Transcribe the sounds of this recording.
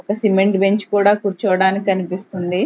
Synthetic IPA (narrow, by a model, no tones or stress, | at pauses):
ɔkɐsimeɳʈbe̞ɲt͡ʃkuːɽaːkuːɾt͡ʃɔʋɐɽaːnikʲiɐnipist̪und̪i